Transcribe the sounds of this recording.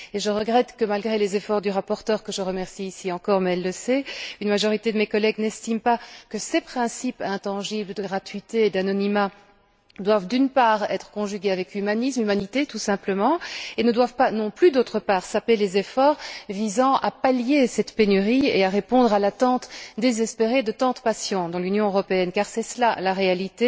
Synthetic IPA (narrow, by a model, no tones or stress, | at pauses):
eʒəʁəɡʁɛt̪kəmalɡʁelezefɔʁd̪yʁapɔʁt̪œːʁkəʒəʁəmɛʁsiːsiɑ̃kɔʁmɛɛlːəsɛynmaʒɔʁit̪ed̪əmekɔlɛɡnɛst̪impakəsepχɛ̃sipɛ̃t̪ɑ̃ʒibləd̪əɡʁat̪ɥit̪eːd̪anɔnima | d̪wavd̪ynpaːʁɛ̰t̪χə̥kɔ̃ʒyɡʲeavɛkymanismymanit̪et̪usɛ̃pləmɑ̃enəd̪wavpanɔ̃plyd̪ot̪χəpaːʁsapelezefɔːʁvizɑ̃ʔapaljesɛt̪penyʁiḛaʁepɔ̃d̪ʁalat̪ɑ̃t̪d̪ezɛspeʁed̪ət̪ɑ̃d̪əpasjɔ̃d̪ɑ̃lynjɔ̃øʁɔpeɛnkaʁsɛslalaʁealit̪e